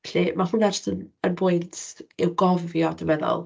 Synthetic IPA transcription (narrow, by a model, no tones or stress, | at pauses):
ɬimahʊnad͡ʒɔ̥stənənbʊɨntʰɪwɡɔvjɔdəmɛðɔ̰lˠ